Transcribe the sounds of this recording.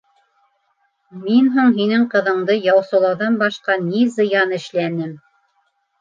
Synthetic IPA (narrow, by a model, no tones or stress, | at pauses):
minɦuɴɦinɘŋqɤ̆ðɤ̆ɴd̪ɤjɑwsɤ̆lˠɑwðɑnbɑʃqɑnizɤ̆jɑnɘ̆ʃlænɘm